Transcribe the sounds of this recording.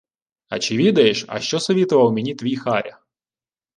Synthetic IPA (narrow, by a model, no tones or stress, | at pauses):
ɐ̰t͡ʃɪʋʲid̪ɐjeʃɐ̰ʃt͡ʃɔsɔʋʲit̪ʊʋɐwmʲenʲit̪ʋʲijxɑɾʲɐ